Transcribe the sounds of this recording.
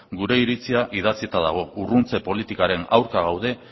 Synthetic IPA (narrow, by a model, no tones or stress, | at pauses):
ɡuɾe̞iɾit͡siaʔið̞at͡sie̞t̪aða̰ɣ̞o̞urunt͡se̞po̞lit̪ikaɾe̞na̰wɾkaɣ̞awð̞e̞